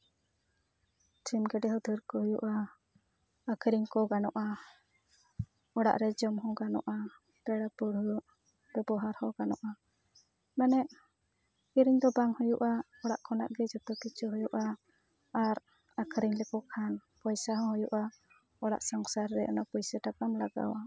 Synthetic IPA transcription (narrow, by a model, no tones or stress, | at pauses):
ʈʰimɡɛɖɛɦɔd̪ʱuɾkɔɦɔjṵʔa | kʰɾiŋkɔɡanɔʔa | ɔɽa̰ʔɾɛd͡ʒɔmɦɔ̃ɡanɔ̰ʔa | t̪ɛɽapuɾɦu | bɛbɔɦaɾhɔɡanɔ̰ʔa | manɛʔ | iɾiɲd̪ɔbaŋhɔjuʔa | ɔɽa̰ʔkʰɔna̰ʔɡɛd͡ʒɔt̪ɔkit͡ʃʰuɦɔjuʔaː | ɾ | akʰɾiɲlɛkɔkʰanpɔjsaɦɔ̃hɔjuʔa | ɔɽa̰ʔsaŋsaɾːɛʔɔnapɔjsaʈap̚kamlaɡa̰wa